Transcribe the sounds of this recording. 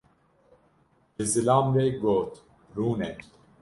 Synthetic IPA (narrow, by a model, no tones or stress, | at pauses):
ezilaːmɾeɡoːt̪ | ɾuːne